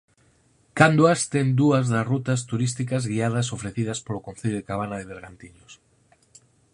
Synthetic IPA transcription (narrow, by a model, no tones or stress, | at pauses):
kand̪wast̪end̪uazðasrut̪ast̪uɾist̪ikazɣiað̞asofɾeθiðaspolokonθeʎðekaβ̞anaðeβ̞eɾɣant̪iʎos